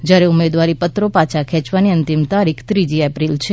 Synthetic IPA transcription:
d͡ʒjaɾeʊmed̪ʋaɾipət̪ɾopat͡ʃʰakʰɛ̃t͡ʃʋaniənt̪imt̪aɾikʰt̪ɾid͡ʒiɛpɾilt͡ʃʰe

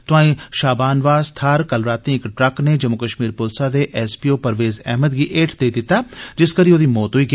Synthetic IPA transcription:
t̪ʊãːĩʃaːbaːnʋaːzt̪ʰaːɾkɐlɾaːt̪ĩɪkʈɾɐknẽd͡ʒɐmʊkəʃmiːɾpoːlsad̪eʔɛːspiːoːpɐɾʋeːzɛ̰ːɦməd̪ɡiʔeːʈʰd̪eːd̪ɪt̪ad͡ʒɪskɐɾĩoːd̪imoːt̪ɦoiɡ

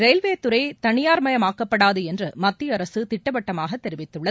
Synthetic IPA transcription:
ɾɛɪlʋeːt̪ɯɾɐɪt̪ɐɳɪjaːɾmɐjɐmaːkːɐpːɐɽaːðɯɛndrɯmɐt̪ːɪɐɾɐsɯt̪ɪʈːɐpɐʈːɐmaːɣɐt̪ːɛɾɪʋɪt̪ːɯɭːɐ

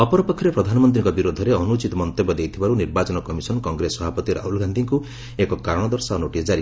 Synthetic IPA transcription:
ɔpɔɾɔpɔkʰːɔɾepɾɔd̪ʱanɔmɔnt̪̬ɾiŋkɔbiɾod̪ʱɔɾeɔnut͡ʃit̪ɔmɔnt̪ebɔd̪ejt̪ʰibaɾuniɾbat͡ʃɔnɔkɔmisɔnɔkɔŋɡɾesɔbʱapɔt̪iɾa̰ɦulɡʱand̪ʱiŋku | ekɔkaɾɽ̃ɔd̪ɔɾsaɔnoʈisd͡ʒaɾi

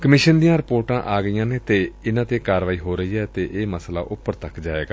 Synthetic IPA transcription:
kəmɪːʃənd̪ijãːɾɪpoːɾʈãːʔaːɡəijãːneːt̪eːɪnãːt̪eːkaːɾʋaːiːɦoːɾəɦiːɛːt̪eːʔeːməsla̰ːʔʊpːəɾt̪əkd͡ʒaːḛːɡaː

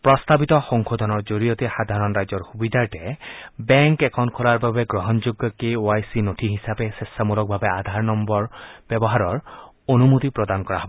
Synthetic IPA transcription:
pɹɔst̪abit̪ɔxɔŋkod̪ʱɔnɔɹd͡ʒoɾijot̪exad̪ʱaɾɔnɾajd͡ʒɔɹxubid̪ʱaʈebɛŋkekʰɔnkʰɔlaɹbabeɡɾɔɦɔnd͡ʒuɡːɔkeoajsinot̪ʰiɦisapesesːamulɔk̚bʱabead̪ʱaɹnɔmbɔɹb̥jɔbɔɦaɾɔɹ | onumut̪ipɾɔd̪ankɔɹaɦɔbɔ

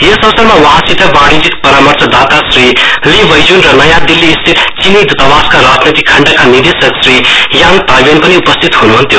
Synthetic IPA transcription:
jesʌsʌɾmawʌɦãsit̪ʌbãɽid͡zikpʌɾamʌrt͡sʰʌd̪at̪asriliʋʌjd͡ʒunrʌnʌjãd̪ilːiːst̪ʰit̪t͡ʃinid̪ut̪abaskaɾad͡znit̪ikʰʌɳɖakanid̪isʌksrijaŋt̪ajbenpʌniupʌst̪ʰit̪ɦunuɦənt̪jo

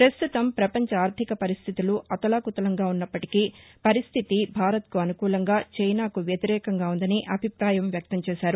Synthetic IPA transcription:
pɾɐst̪ut̪ɐmpɾɐpɐɲt͡ʃɐaːɾt̪ʰikɐpɐɾist̪ʰit̪uluʔɐt̪ɐlaːkut̪ɐlɐŋɡaːunːɐpːɐʈikipɐɾist̪ʰit̪ibʱaːɾɐt̪kuɐnukuːlɐŋɡaːt͡ʃɛjnaːkuʋjɐt̪iɾɛːkɐŋɡaːund̪ɐniʔɐbʱipɾaːjɐmʋjɐk̚t̪ɐmt͡ʃɛːʃaːɾu

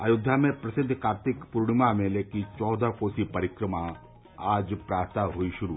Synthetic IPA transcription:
a̰ːjʊd̪ʱːjamẽpɾɐsɪd̪ʱːkaːɾt̪ɪkpuɾɽ̃ɪmamẽleːkit͡ʃɔːd̪ʱakoːsipɐɾɪkɾəma | aːd͡ʒpɾaːɾt̪aɦoiʃʊɾu

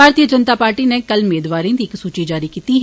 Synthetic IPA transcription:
aːɾt̪iəd͡ʒənt̪aːpaːɾʈinekəlmeːd̪ʋaːɾẽːd̪iɪksuːt͡ʃid͡ʒaːɾikiːt̪iɦ

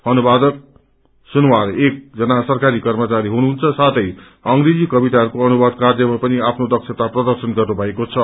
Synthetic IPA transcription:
ʌnubad̪ʌk̚ | sunwarek̚d͡zʌnasʌrkaɾikʌrmʌt͡saɾiɦunuɦunt͡sʰʌsat̪ʰʌj | ʌŋɾed͡zikʌbit̪aɦʌɾukoʌnubʌd̪̚kard̪jʌmapʌniapʰnod̪ʌksʰet̪aprʌd̪ʌrsʌnɡʌrnubʱʌekot͡sʰʌ

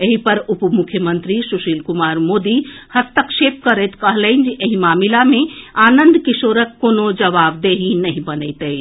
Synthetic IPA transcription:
eɦipɐɾʊpmukʰjəmənt̪ɾisuʃiːlkʊmaːɾmoːd̪ihɐst̪əkʃeːp̚kəɾət̪kəɦləɪnd͡ʒiʔeɦĩmaːmilamẽaːnə̃nd̪kisoːɾəkːonod͡ʒɐʋaːbd̪eɦinɐɦĩbɐnɛɪt̪əi

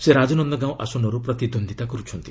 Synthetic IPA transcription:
seɾad͡ʒɔnɔnd̪ɔɡãw̃ʔa̰sɔnɔɾupɾɔt̪id̪ʱond̪ʱit̪akɔɾut͡ʃʰɔnt̪i

